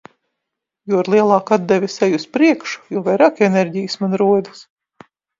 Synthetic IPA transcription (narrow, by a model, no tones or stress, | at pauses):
juɔɾlˠiɛlˠɑːkad̪̚d̪ɛvʲisɛjuspɾiɛkʃu̥juɔvajɾakɛneɾʲɟijɨsmanɾuɔd̪is